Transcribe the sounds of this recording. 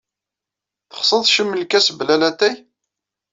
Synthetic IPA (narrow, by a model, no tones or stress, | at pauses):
θə̥χsˤəðˤʃəmːəlkæsblælæt̪æj